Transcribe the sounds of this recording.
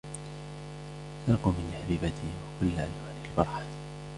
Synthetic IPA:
sɑːqumɪnħabiːbat̪ɪwakʊlːʔa̰nwaːnɪlfɑɾˤħḁ

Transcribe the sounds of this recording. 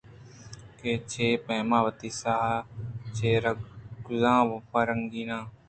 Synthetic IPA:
keːt͡ʃʰeːpẽːmãːʋət̪iːsaːɦat͡ʃʰeːɾɡʊzãːʋopəɾəŋɡiːnãː

